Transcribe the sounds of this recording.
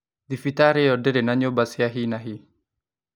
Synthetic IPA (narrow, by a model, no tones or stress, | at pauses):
d̪ifit̪aɾeodeɾenaɲobasiaɦinaɦi